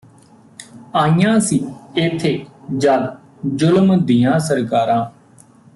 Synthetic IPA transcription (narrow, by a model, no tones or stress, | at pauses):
aːijãːsiːɪt̪ʰːeːd͡ʒaːd̪ | d͡ʒʊlmd̪ijãːsəɾkaːɾãː